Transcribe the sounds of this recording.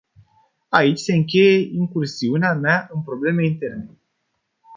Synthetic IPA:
ait͡ʃʲse̞ɨŋk̬ʲe̞je̞ʔiŋkursiuneameaɨnpɾo̞ble̞me̞int̪e̞rne

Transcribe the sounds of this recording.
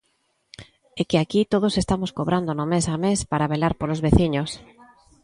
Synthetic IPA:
ekɪakit̪oð̞osest̪amoskoβɾand̪onomesamespaɾaβelaɾpolozβeθiɲos

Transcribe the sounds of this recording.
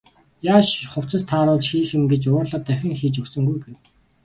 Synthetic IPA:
jaːʃχʊw̥t͡sə̆st̪ʰaːɾʊːɮt͡ɕxiːxɘ̆mɡet͡ɕʊːrɮə̆t̪æwxʲɪ̆ŋxiːt͡ɕɵksɵ̆ŋɡujɡew

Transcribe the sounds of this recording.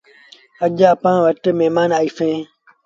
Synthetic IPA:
əʄaəpãːʋəʈmeːmaːnaːiːfẽː

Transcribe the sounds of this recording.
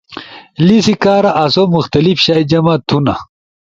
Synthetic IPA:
lisikaːɾaʔɐsomuxt̪ɐlifɕaːjd͡ʑɐmat̪ʰuna̰

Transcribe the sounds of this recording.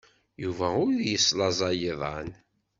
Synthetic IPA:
juvæʊɾjəslɑzˤɑjəðˤɑn

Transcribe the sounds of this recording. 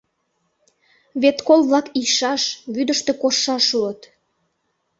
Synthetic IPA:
βet̪kolˠβlɑkijʃɑʃβyd̪əʃt̪ekoʃːɑʃuət̪

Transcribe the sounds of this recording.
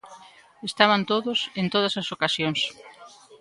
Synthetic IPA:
est̪aβant̪oðʊsent̪oð̞ɐsɐsokasjoŋs

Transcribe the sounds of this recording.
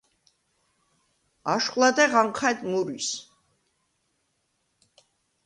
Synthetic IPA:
aʃqʼlˠad̪ɛʁaŋqʰat̪ʼmuɾis

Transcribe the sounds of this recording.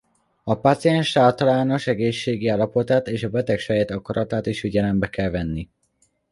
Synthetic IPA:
ɒpat̪sijɛnʃaːlt̪ɒlaːno̞ʃɛɡeːʃːeːɡiaːlːɒpo̞t̪aːt̪eːʃɒbɛt̪ɛkʃɛjɛt̪ɒkɒɾɒt̪aːt̪iʃfiɟɛlɛmbɛkɛlvɛnːi

